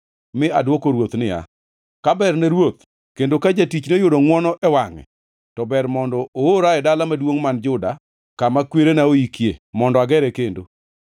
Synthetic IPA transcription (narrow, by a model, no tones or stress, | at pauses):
mɪa̰dwokoɾwot̪nɪja̰ | kabɛrnɛɾwot̪ | kendokad͡ʒatit͡ʃnejʊdɔŋwɔnɔʔɛwaŋɛ̰ | tɔbɛɾmɔndɔʔooɾaɛdalamadwoŋmand͡ʒʊda | kamakweɾenaoikjḛmɔndɔaɡɛɾɛkendo